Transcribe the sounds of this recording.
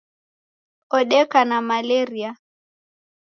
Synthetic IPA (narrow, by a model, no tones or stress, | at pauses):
ɔɗɛkanamalɛɾia